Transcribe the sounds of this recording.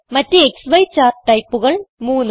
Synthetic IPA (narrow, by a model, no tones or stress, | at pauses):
mɐtːeeksʋɐjt͡ɕːaːrʈɐjpːuɣɐɭmuːnː